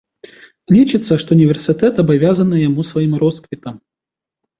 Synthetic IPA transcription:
lʲit͡ʃɨt̪sːɐʂt̪ɔnʲɪvʲɛrsɨt̪ɛt̪ɐbavʲazɐnɨjamusvajimɾɔskvʲit̪ɐm

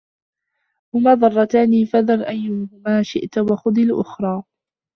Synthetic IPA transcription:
hʊmaːðˤɑrˤːɑt̪aːniːfaðɑlʔajːʊhʊmaːʃɪ̰ʔt̪waxʊd̪ˤilʔʊ̰xɾˤɑː

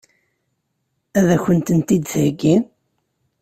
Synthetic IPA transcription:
æðæçənt̪ənt̪id̪θɡin

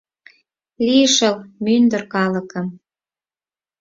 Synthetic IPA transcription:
liəʃəlmynd̪ərkɑləkəm

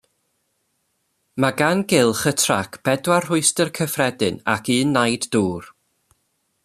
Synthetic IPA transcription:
maɡanɡɪlˠχətʰra̰kʰb̥ɛdwarrʊɨstərkʰəfrɛdɨna̰kʰɨːnːajdduːr

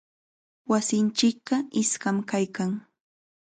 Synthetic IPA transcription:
wasɪnt͡ʃɪk̚ɢɑɪskamkajkaŋ

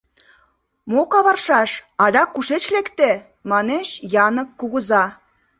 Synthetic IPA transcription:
mokɑβɑrʃɑʃɑd̪ɑkːuʃet͡ɕlekt̪e | mɑnet͡ɕjɑnə̆kːuɣə̆zɑ

